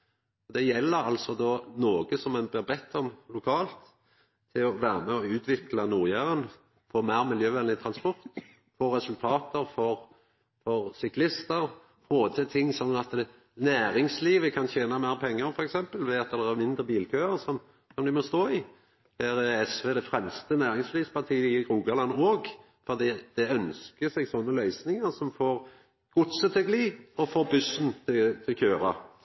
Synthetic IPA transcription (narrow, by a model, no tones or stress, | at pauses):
ɔd̪ɛjɛlːəɾɑlsɔd̪ɔnoːɡəsɔmɛnblɪʁbɛt̪ʰːɔmlʊkʰɑːlt̪ʰː | ɪlɔʋæːɾəmɛɔʉːt̪ʰʋɪklɑnuːʁjæːʁən | foːmæɪʁmɪljøːʋɛnlɪt̪ʰʁɑnspɔʁt̪ | foːʁɛsʉlt̪ʰɑːt̪əɾfɔʁ | fɔʁsʏklɪst̪əɾ | foːt̪ʰət̪ʰɪŋːsɔnːɑt̪ | næːɾɪŋsliːʋəkʰɑnçeːnɑmæɪʁpʰɛŋːəɾfɔɾɛksɛmpəlʋɛɑt̪ːd̪ɛæmɪnd̪ʁəbiːlkʰøːəɾsɔm | sɔmd̪ɪmɔst̪oːɪ | hæːɾɛɛsʋeːd̪ɛfʁɛmst̪ənæːɾɪŋsliːʋspʰɑʁt̪ʰiːəɪɡɾuːɡɑlɑnːoːɡ | fɔd̪iːd̪̥ɛœnskəsɛɡsɔnːəlœʏsnɪŋəɾsɔmfoːɾ | ɡ̥ʊt̪sət̪ʰɛɡliːɔfoːbʉsənt̪ʰɪt̪ʰɪlçøːɾɑ̰